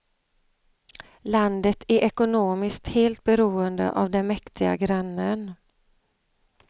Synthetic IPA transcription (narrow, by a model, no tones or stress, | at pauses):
land̪ət̪ʰæɾʔɛkʊnoːmɪskt̪heːlt̪̚bɛɾuːənd̪ə̰ʔa̰vd̪ɛnmɛkt̪ʰɪɡa̰ɡɾanːən